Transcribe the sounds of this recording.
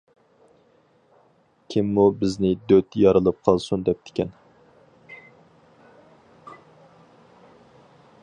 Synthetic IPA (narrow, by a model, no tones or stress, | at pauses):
kʲʰɪmːubɪznɪd̪øt̪jɑɾɨlˠɨp̚qʰɑlˠsund̪ɛp̚t̪ʰɪ̥kʲʰɛn